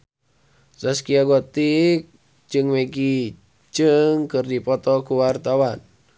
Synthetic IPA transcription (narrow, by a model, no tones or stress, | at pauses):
saskiaɡɔt̪ik̚ | d͡ʒɨŋmeɡi | t͡ʃɨŋkɨrdipɔt̪ɔkuwart̪awan